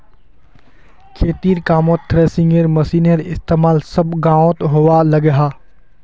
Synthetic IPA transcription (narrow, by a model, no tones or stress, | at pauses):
kʰeːt̪iːɾkaːmõːt̪t̪ʰːɾeːsɪ̃ŋɡeɾmɐsiːneɾɪst̪eːmaːlsɐbɡãːõt̪ɦoʋalɐɡeɦaː